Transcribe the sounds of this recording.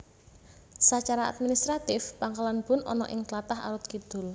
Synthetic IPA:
sat͡ʃaɾaa̰d̪̚minist̪ɾat̪ɪfpaŋkalanb̥ʊ̤nɔ̰nɔ̰ʔɪŋt̪lat̪aɦa̰ɾʊt̪̚kid̪̥ʊ̤l

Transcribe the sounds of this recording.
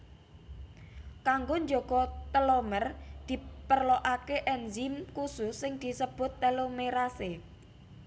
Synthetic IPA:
kaŋɡoɲd͡ʒoɡ̥ɔt̪əlomərd̪̥i̤pərloʔakeʔɛnzimkususɪŋd̪̥i̤səb̥ʊ̤t̪ːəlomeɾase

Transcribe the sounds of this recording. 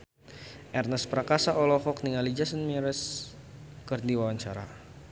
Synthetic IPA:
ʔɛrnəspɾakasaʔɔlɔhɔk̚niŋalid͡ʒasənmiɾɛs | kərdiwawaɲt͡ʃaɾa̰

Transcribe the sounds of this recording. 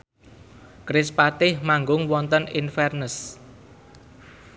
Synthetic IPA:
kɾɪspat̪ɪhmaŋɡʊŋwɔnt̪əninfɛrnəs

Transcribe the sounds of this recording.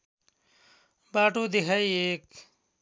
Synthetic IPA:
baːʈuːd̪iɦɐjeːk

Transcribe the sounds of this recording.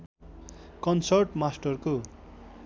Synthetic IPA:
kʌnsʌrʈmasʈʌrko

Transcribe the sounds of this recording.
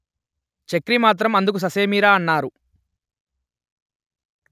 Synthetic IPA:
t͡ʃekɾimaːt̪̬ɾɐmɐnd̪uk̬us̬ɐseːmiːɾaːɐnːaːɾu

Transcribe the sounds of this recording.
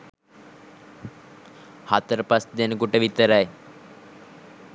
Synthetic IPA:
hat̪əɾəpasd̪enəkuʈəʋit̪əɾaj

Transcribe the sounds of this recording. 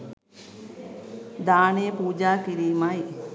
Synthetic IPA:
d̪aːneːpuːd͡ʒaːkiɾiːmaj

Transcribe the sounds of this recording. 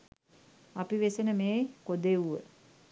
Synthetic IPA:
apiʋesenəmeːkod̪euʋə̰

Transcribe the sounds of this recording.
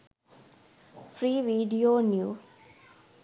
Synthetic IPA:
fɾiːʋiːɖioːnjuː

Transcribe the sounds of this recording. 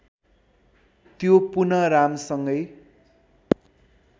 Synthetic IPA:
t̪jopunʌɾamsʌŋɡʌj

